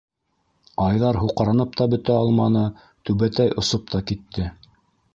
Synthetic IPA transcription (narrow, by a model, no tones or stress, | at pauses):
ɑjðɑɾɦuqɾɑnɤp̚t̪ɑbɵ̆t̪æɑlˠmɑnɤ | t̪ʉβæt̪æjʔŏsop̚t̪ɑkit̪ʰːɘ